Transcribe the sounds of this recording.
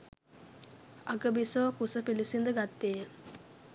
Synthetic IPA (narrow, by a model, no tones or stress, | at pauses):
aɡəbisoːkusəpilisind̪əɡat̪ːeːjə